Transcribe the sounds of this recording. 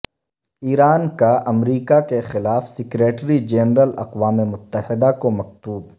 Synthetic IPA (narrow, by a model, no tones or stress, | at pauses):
iːɾaːnkaʔɐmɾiːkakexɪlaːfsɪkɾeːʈɾid͡ʒeːnɾəlɐ̰qʋaːmemʊt̪ːəhɪd̪akomɐq̚t̪uːb